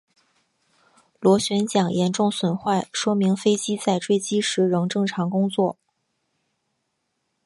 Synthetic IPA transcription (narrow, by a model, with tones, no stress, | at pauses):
lwɔ˧˥ɕɥɛ˧˥nt͡ɕjɑ˨˩ŋjɛ˧˥nʈ͡ʂʊ˥˩ŋswə˨˩nxwa˥˩ɪʂwɔ˥mi˧˥ŋfe˥ɪt͡ɕi˥t͡sa˥˧ɪʈ͡ʂwe˥˩ɪt͡ɕi˥ʂɻ̩˧˥ɻɤ˧˥ŋʈ͡ʂɤ˥˩ŋʈ͡ʂʰɑ˧˥ŋkʊ˥ŋt͡swɔ˥˩